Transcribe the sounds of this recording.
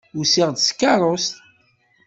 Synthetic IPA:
ʊsiʁd̪skːɑɾˤost̪

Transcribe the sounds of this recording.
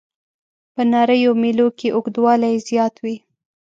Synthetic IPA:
pənɑɾəjomilokeʔʊɡd̪wɑlajzjɑt̪wi

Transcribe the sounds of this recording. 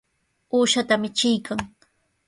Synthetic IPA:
uːʃat̪amɪt͡ʃɪjkʰaŋ

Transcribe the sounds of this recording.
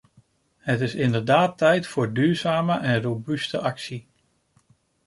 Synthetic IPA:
hətɪsɪndəɹdaːtːɛjtfʊːɹdyːɹzaːməʔɛnrobystəʔɑksi

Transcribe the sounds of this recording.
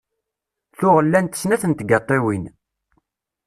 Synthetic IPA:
θʊʁəlːænt̪ə̥snæθənt̪ɡɑt̪ˤːewin

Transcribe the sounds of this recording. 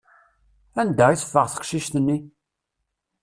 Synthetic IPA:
ænd̪æiθə̥fːəʁθə̥qʃiʃt̪ənːi

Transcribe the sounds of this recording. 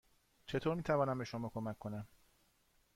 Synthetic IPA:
t͡ʃʰe̞t̪ʰoːɾmiːt̪ʰævɒːnæmbe̞ʃo̞mɒːkʰo̞mækʰːo̞næm

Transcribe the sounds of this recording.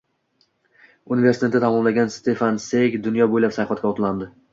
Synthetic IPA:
unɪveɾsɪ̥t̪ʰet̪ːɪt̪ʰamɒmlaɡʲanst̪ʰe̞fansekʲd̪ʊnjɒbojlapsajfat̪̚kʲaɒt̪ʰland̪ɪ

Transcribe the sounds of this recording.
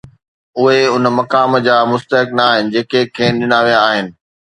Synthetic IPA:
ʊɦeʊnmɐkaːmd͡ʑaːmʊst̪əɦɪknaaːɦɪnɪ̆d͡ʑeːkekʰeːɗɪnaːʋijaːɦɪnɪ̆

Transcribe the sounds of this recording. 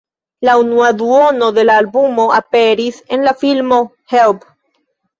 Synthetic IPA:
launuaðuono̞ðe̞laːlbumoapeɾisenlafilmo | help

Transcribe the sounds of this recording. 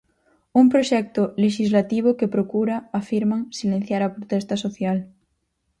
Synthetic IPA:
uŋpɾoʃɛk̚t̪oleʃizlat̪iβ̞okepɾokuɾaːfiɾmãŋsilẽn̟θjaɾɐpɾot̪ɛst̪asoθjal

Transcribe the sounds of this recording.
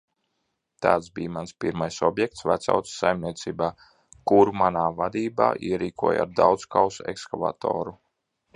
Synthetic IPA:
t̪aːt̪sbiːmanspiɾmajsɔbjɛk̚t̪svat̪sa̰wt̪ssːajmniɛt̪siːbaː | kuɾmanaːvad̪iːba̰ːʔiɛɾiːkuɔja̰ɾd̪awt̪skawsɛ̰kskava̰t̪ɔ̰ːɾu

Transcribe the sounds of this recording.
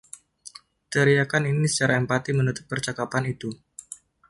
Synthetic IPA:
t̪əɾijakaninisə̥t͡ʃaɾaɛmpat̪imənut̪ʊt̪̚bərt͡ʃakapanit̪u

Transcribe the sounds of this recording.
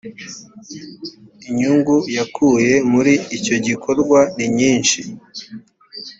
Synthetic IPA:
iɲuŋɡujakʰuje̞muɾiːco̞ɟiko̞ɾɡwaniɲiːnʃi

